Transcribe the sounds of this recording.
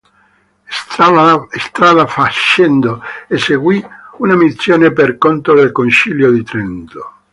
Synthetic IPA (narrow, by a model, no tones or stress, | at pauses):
est̪ɾaðafaʃend̪oeseɡwiunamit̪sjoːneperkont̪ɾoðelkonsiljod̪it̪ɾent̪o